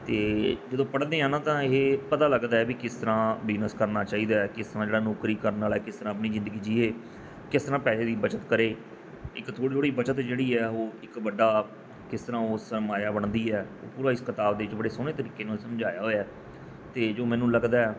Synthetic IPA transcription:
t̪eːd͡ʒəd̪õːpəɽd̪eːãːnãːt̪ãːepət̪aːləɡd̪aːɛːbiːkɪst̪əɾãːbɪd͡ʒnəskəɾnaːt͡ʃaːiːd̪aːɛkɪst̪əɾãːd͡ʒeːɽaːnoːkɾiːkəɾənaːlɛːkɪst̪əɾãːəp̬niːzɪ̃nd̪əɡiːd͡ʒiːeː | kɪst̪əɾãːpɛːʃeːd̪iːbət͡ʃət̪kəɾeː | ɪkt̪ʰoːɽiːoːɽiːbət͡ʃət̪d͡ʒeːɽiːɛːoːɪkʋəɖaː | kɪst̪əɾãːoːsəmaːjaːbəɽd̪iːɛːo̰ːpuːɾãːɪskɪt̪aːbd̪eːɪt͡ʃbəɽeːsoːnẽːt̪əɾiːkeːnaːlsəmd͡ʒaːjaːɦoːjaː | t̪eːd͡ʒoːmɛ̃ːnũːləɡd̪aːɛː

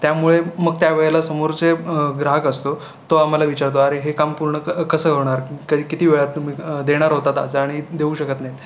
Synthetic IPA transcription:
t̪jamuɭeməɡ̚t̪jaʋeɭelasəmoɾt͡seɡɾaɦəkəst̪o | t̪oam̤alaʋit͡ɕaɾt̪̬oaɾeɦekampuɾɳəkəsəkəʋɳ̃aɾkəikit̪iːʋeɭat̪ːum̤iːd̪eɽ̃aɾɦot̪at̪a̰t͡səaɽ̃id̪euːɕəkət̪najt̪

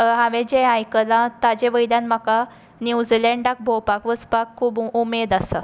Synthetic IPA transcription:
ɦaʋẽd͡ʑẽajkəlãt̪ad͡ʑeʋəjljãnmaka | njud͡zilɛɳɖak̚bʱowpakʋəspakʰːuːbumed̪asə

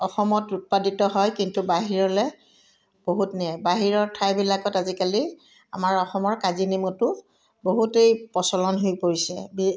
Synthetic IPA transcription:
ɔxɔmɔtut̚paditɔɦɔjkintubaɦiɹɔlɛ | b̥oɦutnɛbaɦiɹɔɹtʰajbilakɔtazikali | a̰maɹɔxɔmɔɹkazinimutʊ | boɦutejpɔsɔlɔnɦojpoɹisɛ̰bi

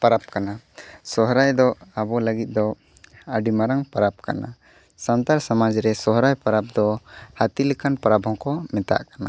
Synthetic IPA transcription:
paɾap̚kana | sɔɦɾajd̪ɔabɔləɡit̪̚ˀd̪ɔ | aɖimaɾaŋpaɾap̚ka̰na̰ | sant̪aɾsamad͡ʒɾɛsɔɦɾajpaɾap̚d̪ɔhat̪ilɛkʰanpaɾabɦɔŋkɔmɛt̪a̰ʔkana̰

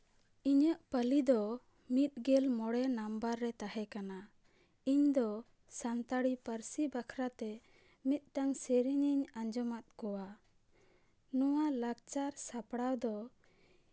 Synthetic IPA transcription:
iɲəʔpəlid̪ɔ | mit̪̚ˀɡɛlmɔɽɛnambaɾːɛt̪ahɛkana | iɲd̪ɔ | sant̪aɽipəɾsibakʰɾat̪ɛ | mit̪̚ˀtaŋseɾiɲiɲaɲd͡ʒɔmat̪̚kɔwa | nɔwalaɡ̚t͡ʃaɾsapɽawd̪ɔ

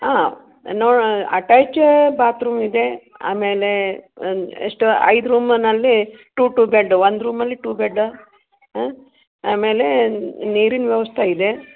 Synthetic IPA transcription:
aː | noːɽɐʈaːt͡ʃbaːt̪ɾuːmid̪e̞ | a̰ːmeːle | ḛʂʈɐ̰jd̪ɾuːmɐnɐlːiʈuːʈuːbeɖʋond̪ɾuːmɐlːiʈuːbeɖː | aːmeːleneːɾinʋjɐʋɐst̪ʰɐid̪e̞

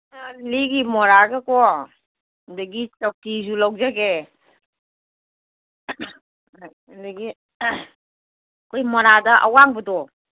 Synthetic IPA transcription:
aliɡimɔɾaɡakɔ | undaɡit͡ʃak̚tizulawzaɡe | daɡi | kojmɔɾadɐʔa̰waŋbədɔ

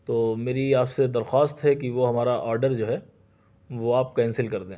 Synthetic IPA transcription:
t̪oːmeːɾiaːpsed̪ɐɾxaːst̪ɦɛkiʋoɦɐmaːɾaʔɔːɾɖəɾd͡ʒoːɦɛ | ʋoaːp̚kɛːnsɪlkɐɾd̪ẽ

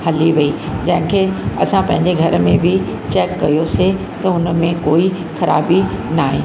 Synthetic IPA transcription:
hɐliʋɐid͡ʑɐ̃ɦɪ̃kʰeɐ̰sãpɐ̃ɦɪ̃ɲd͡ʑeɡʱɐɾ̆mẽbʱɪt͡ɕɛːkːɐjose | t̪ɐʊnəmẽkoːi | xɐɾʔa̰ːbinaːɦẽː

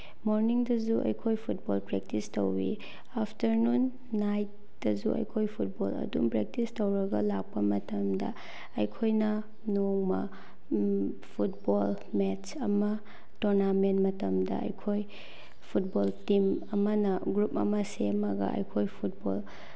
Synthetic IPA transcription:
moɾniŋdɐzuʔɐ̰jkʰojpʰut̚bolpɾek̚tistowɾḭ | apʰtɐɾnunː | ajt̚ | d̥ɐzuʔɐ̰jkʰojpʰut̚bolɐ̰dṵmpɾek̚tistowɾɐɡɐlak̚pɐmɐtɐmdɐ̰ | ɐjkʰojnɐ | noŋmɐ̰ | pʰutbol | met͡ʃɐmɐ | tuɾnamentmɐtɐmdɐ̰ɐ̰jkʰoj | pʰut̚boltimɐmɐnɐɡɾupɐ̰mɐsemɐɡɐ̰ɐ̰jkʰojpʰut̚bo̰l

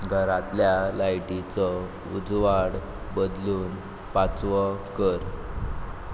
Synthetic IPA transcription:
ɡʱəɾat̪ljalajʈit͡sɔ | ud͡zʋaɽ | bəd̪luːn | pat͡sʋəkəɾ

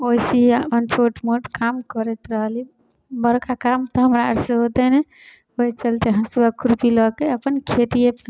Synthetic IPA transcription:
ojsiəpənt͡ʃʰoʈmoʈkamkəɾɛt̪ɾəɦli | bəɾkakamt̪ɔɦəmɾaɾseɦot̪ɛnɛ | oit͡ʃəlt̪eɦəsuakuɾpiləkeəpənkʰet̪iepə

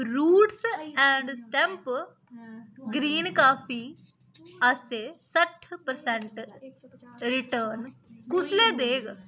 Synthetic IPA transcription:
ɾuːʈsɛ̃ːɳɖsʈɛ̃mp | ɡɾiːnkaːpʰiː | əseːsəʈʰpəɾsɛ̃ɳʈ | ɾɪʈəːnkʊsleːd̪eːɡ

